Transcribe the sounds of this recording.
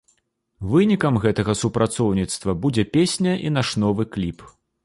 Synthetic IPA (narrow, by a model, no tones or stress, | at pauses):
vɨnʲikɐmɣɛt̪ɐɣɐsupɾat̪sɔwnʲit̪st̪vɐbud͡zʲɛpʲesʲnʲɐʔinaʂnɔvɨklʲip